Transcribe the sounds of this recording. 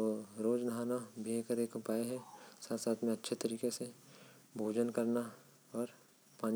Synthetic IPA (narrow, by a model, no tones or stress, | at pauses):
oɾoːd͡ʒnəɦaːnabʱiɦeːkəɾeːkʊpaːeɦɛsaːt̪saːt̪ʰmẽɐtːʃʰet̪əɾiːkese | bʱoːd͡ʒənkɐɾna | ɔːɾ | pãːn